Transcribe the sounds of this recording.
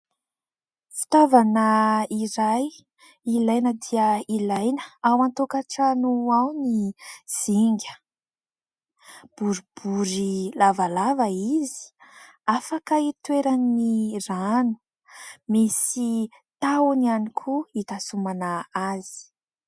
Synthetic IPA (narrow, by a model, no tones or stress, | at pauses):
fi̥t̪avanaiɾaj | ilajnəd̪iəilajnə̥awant̪okaʈ͡ʂanuawniz̥iŋɡʲə̥ | b̥uɾib̥uɾilavalavaizi̥ | afakəit̪weɾanːiranu̥ | misi | t̪awanianikʰuit̪asumanaaz̥i̥